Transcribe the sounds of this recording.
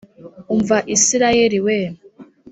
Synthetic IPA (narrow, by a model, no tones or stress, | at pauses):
uɱvaʔisiɾajeɾiwe